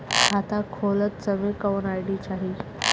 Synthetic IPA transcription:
at̪akʰolət̪t͡səmekəʋnajɽit͡ɕaɦi

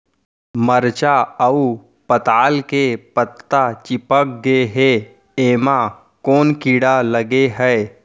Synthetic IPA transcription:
məɾt͡ʃaəu | pət̪aːlkepət̪ːat͡ʃɪpək̚ɡeɦe | eːmã | koːnkiːɽaləɡeɦɛe

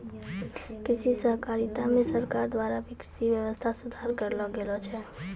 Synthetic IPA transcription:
kɾisisəɦkaɾit̪amesəɾkaɾd̪waɾabʱikɾisibjəwəst̪ʰasud̪ʱaɾkəɾlɔɡelɔt͡ʃʰɛ

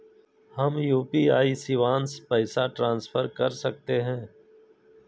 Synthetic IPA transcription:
hɐmjuːpiːaːisɪʋaːnspɛɪsaʈɾãːnsfʰəɾkɐɾsək̚t̪eɦɛ̃ː

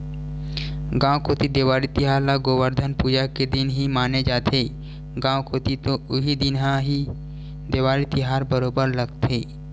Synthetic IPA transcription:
ɡãːwkoːt̪id̪eːʋaːɾit̪ɪɦaːɾlaɡoːwəɾd̪ʱənpuːd͡ʒaked̪ɪnɦimaːned͡ʒaːt̪ʰe | ɡãːwkoːt̪it̪oʊɦid̪ɪnɦãɦi | d̪eːʋaːɾit̪ɪɦaːɾbəɾoːbəɾləɡt̪ʰeː

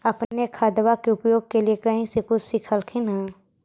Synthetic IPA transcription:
ɐpnekʰaːd̪ʋakeʊpjoːɡ̚keliekɐɦĩsekʊt͡ʃsɪkʰəlkʰina

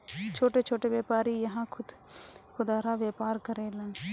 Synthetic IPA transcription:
t͡ʃʰoːʈeːt͡ʃʰoːʈeːʋeːpaːɾiːjɐɦãːkʰʊd̪xʊd̪aːɾaːʋjeːpaːɾkəɾeːlãː

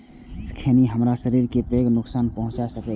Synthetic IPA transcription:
skʰeniɦəmɾasəɾiɾkepeːɡnʊksaːnpəɦʊ̃t͡ʃasəke

